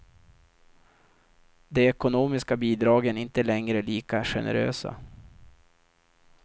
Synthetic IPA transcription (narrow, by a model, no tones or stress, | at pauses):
d̪ɛɛkʊnoːmɪskabiːd̪ɾɑːɡənɪnt̪əlɛŋɾəliːkaɧɛ̰nə̰ɾø̰ːsa̰